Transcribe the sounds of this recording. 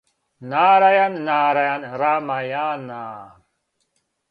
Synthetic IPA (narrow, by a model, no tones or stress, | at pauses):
naːɾajannaːɾajanɾamajaːnaː